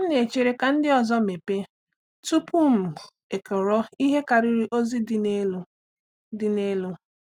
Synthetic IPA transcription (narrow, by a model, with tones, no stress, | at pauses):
m̩˦ne˨t͡ʃe˨ɾe˦ka˨n̩˦dɪ˦ɔ˨zɔ˦me˨pe˦ | tu˦pu˦m̩˨ | e˨ke˨ɔ˨ɾɔ˦i˦ɦe˦ka˨ɾɪ˦ɾi˦ʔo˦zi˦dɪ˦ne˦l | dɪ˨ne˦lʊ˦